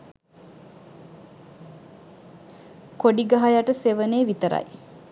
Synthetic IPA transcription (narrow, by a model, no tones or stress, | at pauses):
koɖiɡaɦajaʈəseʋəneːʋit̪əɾa̰j